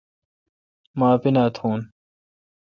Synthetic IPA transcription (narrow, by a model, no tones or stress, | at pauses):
maːpinaːt̪ʰuːn